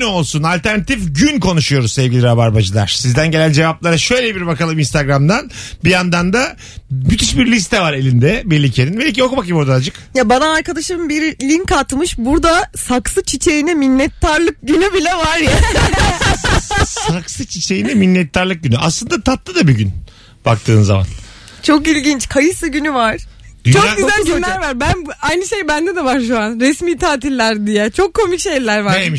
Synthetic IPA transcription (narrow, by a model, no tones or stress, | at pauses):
nyo̞lˠsunalʲt̪ʰæɾnat̪ʰifɟynkʰo̞nuʃujo̞ɾuzsevɟʲilʲiɾabaɾbad͡ʒɯlˠa̰ɾ̥sizd̪ænɟe̞lʲænd͡ʒe̞vaplˠaɾaʃø̞jlʲebiɾbakalˠɯminst̪ʰaɡɾamd̪anbijand̪and̪a | myt̪ʰyʃbiɾlʲist̪ʰɛvaɾe̞lʲind̪ɛbelʲicʰeninbelʲic̬okumakjiboɾd̪anad͡ʒɯkjabanaːɾkad̪aʃɯmbiɾlʲinkat̪mɯʃbuɾd̪asaksɯt͡ʃʰit͡ʃʰe̞jinɛminːɛt̪ʰːaɾlˠɯk̚ɟynybilʲɛvaɾja | saksɯt͡ʃʰit͡ʃʰejinɛminːɛt̪ʰːaɾlˠɯk̚ɟynyʔa̰slˠɯnd̪at̪ʰat̪lˠɯd̪abiɟyn | b̥ak̚t̪ʰɯːnza̰ma̰n | t͡ʃʰo̞kilʲɟint͡ʃkʰajɯsˠɯɟynyvaɾ̥ | d̪yt͡ʃʰokɡyzælʲɟylːʲæɾvaɾbænbajnɯʃe̞jbænd̪ɛd̪ɛvaɾʃuanɾɛsmiːt̪ʰaːt̪ʰilʲːæɾd̪ijɛt͡ʃʰo̞kʰːo̞mykʃe̞jlʲæɾvaɾemi